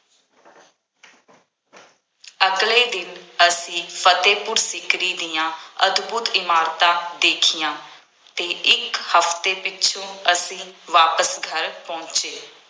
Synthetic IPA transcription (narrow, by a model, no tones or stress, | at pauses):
əkleiːd̪ɪnəsĩːpʰət̪eːpʊɾsɪkɾiːd̪ijãːəd̪buːt̪ɪmaːɾt̪aːd̪eːkʰɪjãː | t̪eːʔɪkhəft̪eːpɪt͡ʃʰõːəsĩːʋaːpəsɡʱəɾpɔ̃ːt͡ʃeː